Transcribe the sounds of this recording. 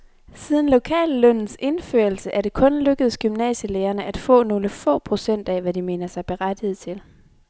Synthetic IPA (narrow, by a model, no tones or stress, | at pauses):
siːð̞ˠn̩lo̝kʰɛ̰ːlːœn̰n̩se̝nføɐl̩səʔæɐɾe̝kʰɔ̽nløɡ̥əð̩ˠsɡ̥ymnɛ̰ːɕəleːɐnəʔæd̥fɔ̰̽ːno̝ːləfɔ̰̽ːpʰʁo̝sen̰d̥ɛʋædime̝̰ːnɐsɑ̈ɪb̥e̝ʁad̥ieð̩ˠt͡sʰe̝l